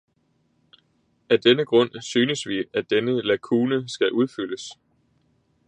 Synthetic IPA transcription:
æd̥enəɡ̥ʁɔ̽n̰syːnəsʋiæd̥enəlækʰuːnəsɡ̥æʔuð̞ˠfyləs

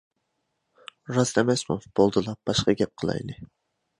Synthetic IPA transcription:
ɾɑsd̪ɛmɛsmofb̥olˠd̪ɨlˠɑb̥ɑʃqɑɡʲɛp̚qʰəlˠɑ̰jlˠɨ

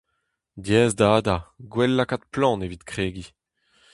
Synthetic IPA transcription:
djɛːzd̪aːd̪aɡwɛlːakat̪̚plɑ̃ːnevit̪kχeːɡi

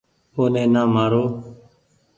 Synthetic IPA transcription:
oːnẽːnaːmaːɾoː

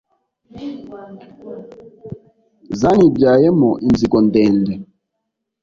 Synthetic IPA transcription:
zanibjajɛmɔʔinzikɔndɛndɛ

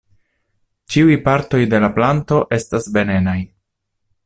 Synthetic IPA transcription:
t͡ʃiujpaɾto̞jde̞laplanto̞ʔe̞stasbe̞ne̞naj

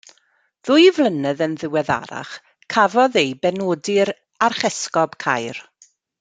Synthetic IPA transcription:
ð̥ʊjvlˠənɛðənðɪwɛða̰ɾa̰χ | kʰavɔðejbɛnoːdɪɾ | arχɛskɔb̥kʰa̰jɾ

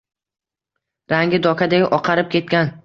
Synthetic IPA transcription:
ɾaŋɡʲɪd̪ɒkʰad̪aɡʲʔɒqʰɑɾɪp̚kʲe̞t̪̚kʲan

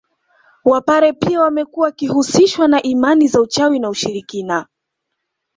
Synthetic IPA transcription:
wapaɾɛpiawamɛkuakihusiʃwanaʔimanizaut͡ʃawinauʃiɾikina

